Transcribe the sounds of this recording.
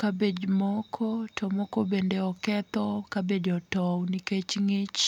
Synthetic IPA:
kabed͡ʒmɔkʰɔtʰɔmɔkɔbendeɔkɛt̪ɔkabed͡ʒɔtɔwniket͡ʃŋet͡ʃ

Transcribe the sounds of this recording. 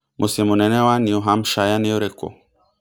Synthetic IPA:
mʔosemonɛnɛwanioɦam̩ʃajaneoɾeko̰

